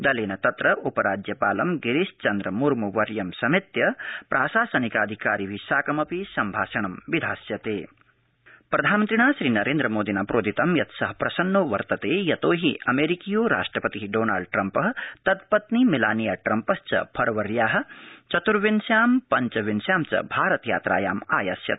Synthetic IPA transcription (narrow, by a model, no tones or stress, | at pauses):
d̪ɐleːnɐt̪ɐt̪ɾɐʔupɐɾaːd͡ʒjɐpaːlɐmɡiɾist͡ʃɐnd̪ɾɐmuɾmuʋɐɾjɐmsɐmit̪jɐpɾʔaːʃaːsɐnikaːd̪ʱikaːɾiʋiʃaːkɐmɐpisɐmbʱaːʃɐɳɐmʋid̪ʱaːsjɐt̪eː | pɾɐd̪ʱaːnmɐnt̪ɾiɳaːʃɾiːnɐɾeːnd̪ɾɐmoːd̪inaːpɾʔoːd̪ʱit̪ɐmjɐt̪sɐɦɐpɾɐsɐnːoːʋɐɾt̪ɐt̪eːjɐt̪oːɦiɐmeːɾikijoːɾa̰ːʂʈɾɐpɐt̪iɦiɖoːnaːɭɖ̚ʈɾɐmpɐɦɐt̪ɐd̪̚pɐt̪nimilaːnijaːʈɾɐmpɐst͡ʃɐ̰pʰɐɾɐʋɐɾjaːɦɐ̆t͡ʃɐt̪uɾʋinsjaːmpɐɲt͡ʃɐʋinsjaːmt͡ʃɐ̰bʱaːɾɐt̪ja̰ːt̪ɾa̰ːjaːma̰ːjasjɐ̰t̪